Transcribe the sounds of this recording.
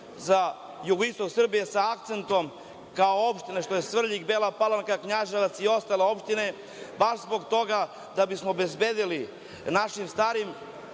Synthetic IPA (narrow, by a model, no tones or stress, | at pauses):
za | juɡoist̪o̞ksr̩bije̞saak̚t̪se̞nt̪o̞m | kaoopʃt̪ineʃt̪o̞jesvr̩ʎiɡbeːlapalˠamkakɲaʒeʋat̪sio̞st̪aleo̞pʃt̪ine̞ | baʃzbo̞ɡt̪o̞ɡa | d̪abismobe̞zbed̪ili | naʃimst̪aːɾim